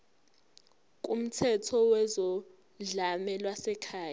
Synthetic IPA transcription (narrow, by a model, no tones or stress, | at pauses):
k̬ʼum̩tʰɛtʰɔwɛzɔ | ɮamɛlwasɛkʰaːj